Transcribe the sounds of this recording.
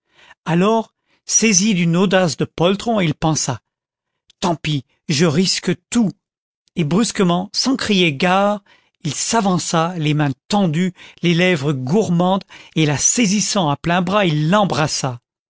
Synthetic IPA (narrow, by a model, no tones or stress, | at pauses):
alɔʁ | sezid̪ynod̪asd̪əpɔlt̪χɔ̃ilpɑ̃sa | t̪ɑ̃pi | ʒəʁiskət̪u | ebʁyskəmɑ̃sɑ̃kχijeɡaʁ | ilsavɑ̃salemɛ̃t̪ɑ̃d̪ylelɛvʁəɡuʁmɑ̃d̪elasezisɑ̃aplɛ̃bʁailːɑ̃bʁasa